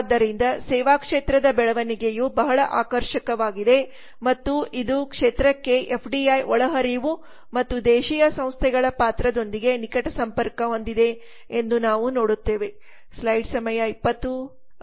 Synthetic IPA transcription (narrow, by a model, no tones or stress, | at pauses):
d̪ːɐɾind̪ɐsɛːʋaːkʂeːt̪ɾɐd̪ɐbɛɭɐʋɐniɡe̞jubɐɦɐɭɐʔaːkɐɾʃɐkɐʋaːɡid̪e̞ | mɐt̪ːuid̪ukʂeːt̪ɾɐkːe̞ʔepʰɖiɐjɔɭɐɦɐɾiʋu | mɐt̪ːud̪eːʃijɐsɐ̃m̃st̪ʰɛɡɐɭɐpaːt̪ɾɐd̪o̞nd̪iɡe̞nikɐʈɐsɐmpɐɾkɐond̪id̪e̞ | end̪unaːʋunoːɽut̪ːe̞ːʋe̞ | slɐjɖsɐmɐjɐipːɐt̪ːu